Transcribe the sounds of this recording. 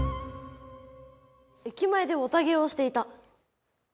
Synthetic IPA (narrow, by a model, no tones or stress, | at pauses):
ekʲimaed̪e̞ot̪aɡe̞o̞ɕi̥t̪e̞it̪a